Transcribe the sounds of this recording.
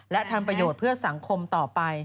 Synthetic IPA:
lɛ˦˥ʔt̪ʰa˧mpɾa˧joː˨˩t̪̚pʰɯ˥˩ɐsa˩˦ŋkʰo˧mt̪ɔː˨˩pa˧j

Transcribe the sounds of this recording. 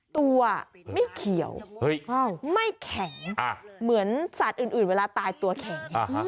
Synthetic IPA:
t̪u˧ɐma˥˩jkʰi˨˩˦ə̰˦w | ma˥˩jkʰɛ˨˩˦ŋa˧˩mɯ˩˦ənsa˨˩t̪̚ʔɯː˨˩nʔɯː˨˩nweː˧laː˧t̪aː˧jt̪u˧ɐkʰɛ˨˩˦ŋ˧

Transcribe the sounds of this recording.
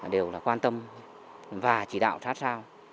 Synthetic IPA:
ɗe˨˩wlaː˨˩kwaː˧nt̪ə˧m | vaː˨˩t͡ɕi˧˩ɗa̰ː˧˨wsʰaː˦˥t̚saː˧w

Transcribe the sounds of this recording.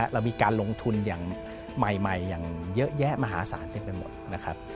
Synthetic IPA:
ʔɾa˧wmiː˧kaː˧nlo˧ŋt̪ʰu˧njaː˨˩ŋ | ma˨˩jma˨˩jːaː˨˩ŋjɤ˦˥ʔjɛ˦˥ʔmaː˧ɦaː˩˦saː˩˦nt̪i˧mpa˧jmo̰˨˩t̪̚na˦˥kʰa˦˥p̚

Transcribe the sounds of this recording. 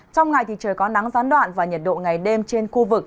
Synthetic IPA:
t͡ɕɔ˧wŋ͡mŋa˨˩jt̪ʰi˨˩t͡ɕəː˨˩jkɔ˨˦na˨˦ŋzaː˨˦nɗwa̰ː˧˨nvaː˨˩ɲə˨˩t̚ɗo̰˧˨ŋa˨˩jɗe˧mt͡ɕe˧nxu˧vɨ˨˩k̚

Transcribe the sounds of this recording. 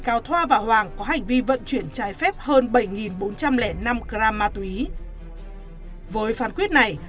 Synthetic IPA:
kaː˨˦wt̪ʰwaː˧vaː˨˩hwaː˨˩ŋkɔ˨˦ɦa˨˩jŋ̟vi˧və̰˧˨nt͡ɕwi˧˩ənt͡ɕaː˨˦jfɛ˦˥p̚həː˧nɓə˧˩jŋi˨˩nɓo˨˦nt͡ɕa˧mlɛ˧˩na˧mkzaː˧maː˧t̪i˨˦ | vəː˨˦jfaː˨˦nkwi˦˥ət̚na˨˩j

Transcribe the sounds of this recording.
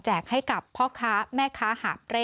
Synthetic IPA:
t͡ɕɛː˨˩k̚ha˥˩jka˨˩pʰːɔː˥˩kʰaː˦˥mɛː˥˩kʰaː˦˥haː˨˩p̚ɾe˦˥

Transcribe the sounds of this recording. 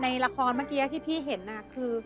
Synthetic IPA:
na˧jla˧kʰɔː˧nmaː˥˩kiː˧a˧˩t̪ʰiː˥˩pʰiː˥˩ɦe˩˦nːa˧˩kʰɯː˧

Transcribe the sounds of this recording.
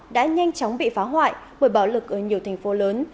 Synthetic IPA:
ɗa̰ː˧˥ɲa˧jŋ̟t͡ɕɔ˨˦wŋ͡mɓḭ˧˨faː˨˦ɦwa̰ː˧˨jɓəː˧˩jɓaː˧˩wlɨ˨˩k̚ʔəː˧˩ɲi˨˩əwt̪ʰɛ˨˩ŋ̟fo˨˦ləː˨˦n

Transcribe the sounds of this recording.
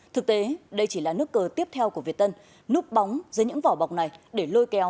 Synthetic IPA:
t̪ʰɨ˨˩k̚t̪e˨˦ɗə˧jt͡ɕi˧˩laː˨˩nɨ˦˥əkːəː˧t̪i˦˥əp̚t̪ʰɛ˧wku˧˩əvi˨˩ət̚t̪ə˧n | nu˦˥ək̚ɓa˨˦wŋ͡mzəː˨˦jɲɨ̰˧˥ŋvɔ˨˩ɓa˨˩wk͡p̚na˨˩jɗe˧˩lo˧jkɛ˨˦w

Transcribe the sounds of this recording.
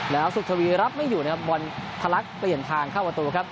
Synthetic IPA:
lɛː˦˥wsu˨˩t̪̚ʰa˧wiː˧ɾa˦˥p̚ma˥˩jːuː˨˩na˦˥kʰa˦˥p̚bɔ˧nt̪ʰa˧la˦˥k̚pli˨˩ənt̪ʰaː˧ŋkʰaː˥˩pɾa˧t̪uː˧kʰɾa˦˥p̚

